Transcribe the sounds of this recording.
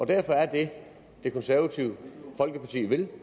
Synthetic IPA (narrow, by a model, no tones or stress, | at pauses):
ɒ̽d̥æɐfɒ̽æɐd̥e̝ | d̥e̝kʰɒ̽nsæɐʋæt͡sʰiʊəfɒ̽lɡ̥əpʰɑ̈t͡sʰḭːʋe̝l